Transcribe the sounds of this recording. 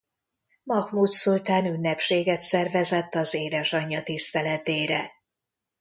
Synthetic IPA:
mɒkmuːt̪sult̪aːnynːɛpʃeːɡɛt̪sɛrvɛzɛt̪ːɒzeːd̪ɛʃɒɲːɒt̪ist̪ɛlɛt̪eːɾɛ̰

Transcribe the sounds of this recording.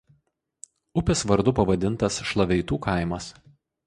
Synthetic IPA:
ʊpʲɛsʋɐɾd̪ʊpɐʋɐd̪ʲɪnˑt̪ɐsʃlˠɐʋʲɛɪt̪uːkʰɐˑɪmɐs

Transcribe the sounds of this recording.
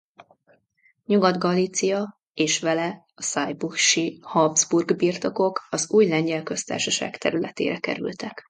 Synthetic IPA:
ɲuɡɒd̪ɡɒliːt̪sijɒ | eːʃʋɛlɛ | ɒsɒjbuʃihɒbzburɡbirt̪o̞ko̞kɒzuːjlɛɲɟɛlkø̞st̪a̰ːrʃɒʃa̰ːkt̪ɛɾylɛt̪ḛːɾɛkɛ̰ɾy̰lt̪ɛk

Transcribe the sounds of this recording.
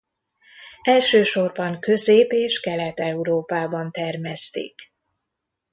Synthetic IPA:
ɛlʃøːʃo̞rbɒŋkøzeːpeːʃkɛlɛt̪ɛuɾoːpaːbɒnt̪ɛrmɛst̪ḛːk

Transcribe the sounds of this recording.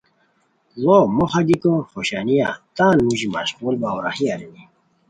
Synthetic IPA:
lomoχad̪ikoχoɕanijat̪aːnmuʑima̰ɕʁulbawɾa̰hiaɾini

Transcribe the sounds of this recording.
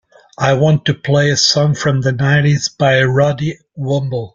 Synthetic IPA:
ʔaɪwɑ̃ntɨpʰl̥eɪɨsɔ̃ŋfɹʌ̃mðɨnaɪɾizb̥aɪɹɑdi | wʊ̃mbl̩ˠ

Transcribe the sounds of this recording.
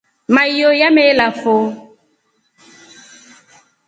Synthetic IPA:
majojamelafo

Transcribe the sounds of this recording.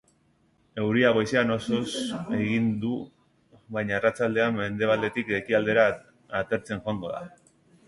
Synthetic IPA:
e̞wɾiaβ̞o̞jseano̞so̞se̞ɣind̪u | βajɲaerat͡sald̪e̞amːe̞nd̪e̞β̞ald̪e̞t̪ikle̞kiald̪e̞ɾa | at̪e̞ɾt͡se̞ŋʝo̞aŋɡo̞ða̰

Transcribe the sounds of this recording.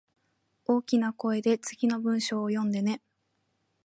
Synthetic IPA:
o̞ːkʲinako̞e̞d̪e̞t͡sɨɡʲino̞bɯ̟̃ɰ̃ɕo̞ːjõ̞nd̪e̞ne̞

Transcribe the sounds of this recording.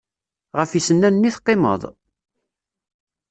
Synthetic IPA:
ʁəfisənːænənːiθqːemə̰ðˤ

